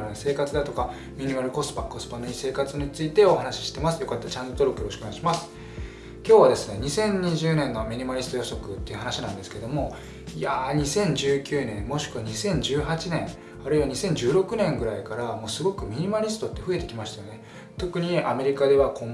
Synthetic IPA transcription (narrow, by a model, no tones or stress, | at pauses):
se̞ːkat͡sɨd̪at̪o̞ka | mʲiɲ̟imaɾɯ̟ko̞sɨ̥pako̞sɨ̥panoɲise̞ːkat͡sɨnɲ̟ɲit͡sɨit̪e̞o̞hanaɕi̥ɕi̥t̪e̞masɨ̥jo̞kat̪ːat͡ɕãnd̪ot̪oɾo̞kɯjoɾoɕi̥koaiɕimasɨ̥ | kʲo̞ːβad̪e̞sɨne̞ɲ̟isẽ̞ɲ̟ɲiʑɨːnẽ̞nːomʲiɲ̟imaɾʲisɨ̥t̪o̞joaso̞kɯ̟t̪ːe̞jɯ̟ɦanaɕinãnd̪e̞sɨ̥ke̞d̪o̞mo̞ | jaɲ̟isẽ̞ɲ̟d͡ʑɨːkʲɨːnẽ̞mmo̞ɕi̥kɯ̟βaɲ̟isẽ̞ɲ̟d͡ʑɨːɦat͡ɕinẽ̞ŋ | aɾɯ̟iβaɲisẽ̞ɲ̟d͡ʑɨːɾo̞kɯ̟nẽ̞ŋɡɯ̟ɾaikaɾamo̞ːsɨɡo̞kɯ̟mʲiɲ̟imaɾʲisɨ̥t̪o̞t̪ːeɸɯ̟e̞t̪e̞kʲimaɕi̥t̪ajo̞ne̞ | t̪o̞kɯ̟ɲ̟ia̰me̞ɾʲikad̪e̞β̞akõm